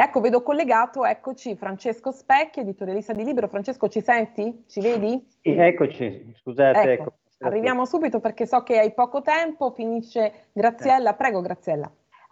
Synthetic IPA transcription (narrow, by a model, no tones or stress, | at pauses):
ɛkːoveːd̪okolːeɡaːt̪oɛkːot͡ʃifɾant͡ʃeskospɛkːoed̪it̪oɾjalist̪ad̪iliːbeɾofɾant͡ʃeskot͡ʃisɛnt̪it͡ʃiveːd̪i | iɛkːot͡ʃḭskuzaːt̪ɛkeɛkːoːo | arːivjaːmosuːbit̪operkesɔkːeajpɔːkot̪ɛmpofiniʃːe | ɡɾat̪sːjɛlːapɾɛːɡoɡɾat̪sːjɛlːa̰